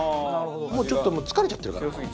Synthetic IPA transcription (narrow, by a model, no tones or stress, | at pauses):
moːt͡ɕo̞t̪ːomot͡sɨ̥kaɾe̞t͡ɕat̪ːeɾ̟kaɾa